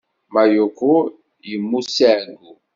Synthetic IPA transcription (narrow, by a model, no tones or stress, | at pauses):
majoku | jimusɛɡu